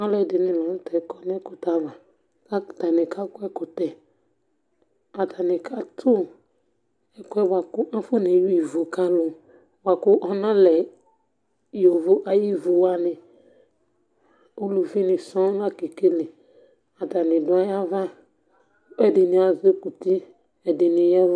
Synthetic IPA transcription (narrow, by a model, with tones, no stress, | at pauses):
a˦lɛ˦dɪ˨nɪ̃˨la˨n˦tɛ˨˦kɔ˨n˦ɛ˦kʊ˨t̪a˦va˨ | ka˦˨t̪a˨nɪ̃˨ka˦kʊ˦ɛ˦kʊ˨tɛ˨ | a˨ta˨nɪ̃˨kʰa˦t̪ʰʊ˦ | ɛ˦kʊ˦ɛ˦ba˨kʊ˦ʔa˦fo˦nẽ˨ju˦i˨vo˨ka˦lʊ˨ | wa˨kʊ˦ʔɔ˨nã˦lɛ˨ | jo˨vʊ˦ʔa˨ji˦vo˨wa˨nɪ̃˨ | o˦lu˨fi˦nɪ̃˨sɔ̃˦la˦ke˨ke˦lɪ˨ | a˨ta˨nɪ̃˨dʊ˨˦a˦ja˦va˦ | ɛ˨dɪ˨nɪ˨a˨ze˦ku˨ti˦ | ɛ˨dɪ˨nɪ̃˨ja˦v